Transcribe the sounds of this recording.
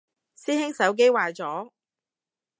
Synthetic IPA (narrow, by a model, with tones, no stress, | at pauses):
siː˥hɪ˥ŋsɐ˨˥wk̬e˥jwaː˨˧jt͡sɔː˨˥